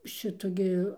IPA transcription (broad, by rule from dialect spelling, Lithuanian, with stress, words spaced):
ˈʃʲɪtʊ ɡʲɪ